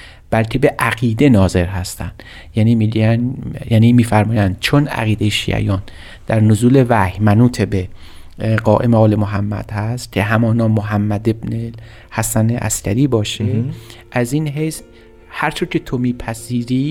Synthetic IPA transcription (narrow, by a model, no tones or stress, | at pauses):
b̥ælcʰe̞be̞ʔæɣiːd̪e̞nɒːze̞ɾɦæst̪æ̰nd̪̥ | jæːniːmi | jæːniːmiːfæɾmɒːjænd̪̥̚t͡ʃʰonæ̰ɣiːd̪ejeʃḭːʔæ̰jɒːn | d̪̥æɾnozuːle̞væhmænuːt̪ʰebe | ɢɒːʔe̞meɒːle̞moɦæmːæ̰d̪̥hæst̪cʲʰe̞ɦæmɒːnɒːoɦæmːæd̪ebne | hæsænḛʔæ̰scʰæɾiːbɒːʃeʔæziːnɦejs | hæɾt͡ʃʰoɾcʰe̞t̪ʰomiːpʰæziːɾiː